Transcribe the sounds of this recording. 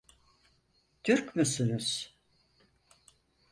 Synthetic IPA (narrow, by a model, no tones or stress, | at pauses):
t̪ʰyɾkmysynuz̥